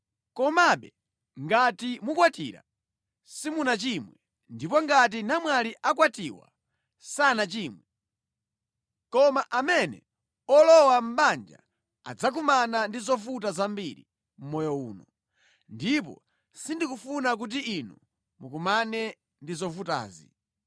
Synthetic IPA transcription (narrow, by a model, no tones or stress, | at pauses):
kɔmaɓɛ | ŋɡatimukwatḭɾa̰ | simunat͡ʃimwɛ | ndipɔŋɡat̬inamwaliʔak̬watiwa̰ | sanat͡ʃiːmwɛ | kɔmaʔamɛnɛ̰ | ɔlɔwam̩ɓand͡ʒa̰ | a̰d͡zak̬umanandizɔfut̬azambiɾḭ | m̩mɔjɔṵːnɔ | ndip̬ɔ̰ | sindikufunak̬ut̬iinu | mukumanɛ | ndizɔfuta̰ːzi